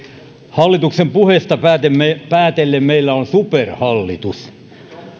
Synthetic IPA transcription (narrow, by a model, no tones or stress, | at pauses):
hɑlːit̪uksempuhest̪ɑæt̪emepæːt̪elːemmeilːæonsuperhɑlːit̪us